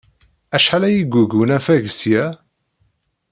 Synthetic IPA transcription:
æʃħalæjiɡʷuɡənæfæʝsjæ

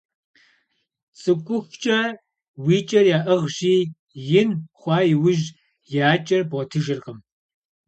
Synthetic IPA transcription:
t͡sʼɨkʷʼʊxʷt͡ʃʼɐ | wiːt͡ʃʼɐrjaːʔɐʁʒiː | jɪnχʷɑːjɪwʊʒ | jaːt͡ʃʼɐrbotʰɨʒɨrqəm

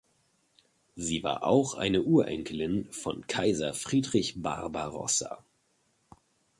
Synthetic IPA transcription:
ziːva̰ːɐʔa̰ʊxʔa̰ɪnəʔuːɐʔɛ̰ŋkʰəlɪnfɔ̰nkʰaɪzɐfʁ̥iːdʁɪçb̥a̰ʁbaʁɔ̰sa̰

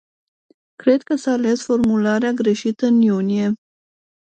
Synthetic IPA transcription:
kɾe̞d̪̚kəsaːle̞sfo̞rmulaɾeaɡɾe̞ʃit̪əɨnjunie̞

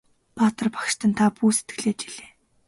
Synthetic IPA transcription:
paːt̪ə̆rpḁkʃt̪ʰə̆nt̪ʰapuːse̥t̪̚ɡɘ̆ɮeːt͡ɕiɮ̥eː

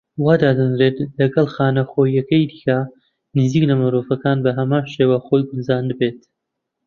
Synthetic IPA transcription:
waːd̪ad̪ɨnɾet̪lɐɡɐlˠxaːnɐxoːjɐkɐjd̪iːkɐ | nɨziːklɐmɨɾoːfɐkaːnbɐɦɐmaːnʃeːwaxojɡʊnzaːnd̪beːt̪

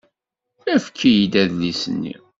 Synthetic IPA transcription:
mæfə̥kʰːijid̪æðlisənːḭ

